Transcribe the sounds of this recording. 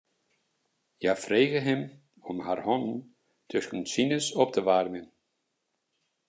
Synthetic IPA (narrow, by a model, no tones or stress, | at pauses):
jafreːɣəɦɪm | ɔmharhɔnən̩ | tʰøskənsinəsɔp̚tʰəʋarmən